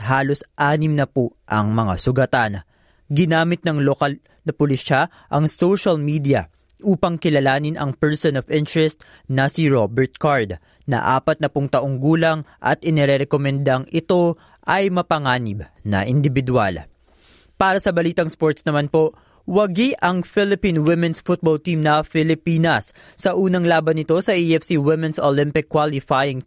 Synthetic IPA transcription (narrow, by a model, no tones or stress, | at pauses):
haːlosʔaːnɪmnɐpoʔɐŋmɐŋa̰sʊɡɐt̪an | ɡɪnaːmɪt̪̚nɐŋlokɐl | nɐpʊlɪsʃa | ʔɐŋsowʃɐlmiːd̪iɐ | ʔuːpɐŋkɪlɐlaːnɪnɐ̰ŋpɛɹsonovɪnt̪ɹɛst̪ | nɐsiɹobɛɹt̪̚kaɹd̪ | nɐ̰ʔa̰ːpɐt̪̚nɐpʊŋt̪ɐʔo̞ŋɡuːlɐŋʔɐ̰t̪ʔɪnɛɾɛɾɛkomɛnd̪ɐŋɪt̪o̞ | ʔɐjmɐpɐŋaːnɪbnɐ̰ʔɪnd̪ɪbɪd̪ua̰l | paːɾɐsɐbɐliːt̪ɐŋspo̞ɹt̪snɐmanpo̞ | wɐɡiʔɐŋfɪlɪpĩnwɪmɛ̃nsfʊt̪̚bolt̪imnɐfɪlɪpiːnɐsː | ɐʔuːnɐŋlaːbɐnːɪt̪o̞sɐʔiɛfsiwɪmɛnsolɪmpɪkːwalɪfajɪŋ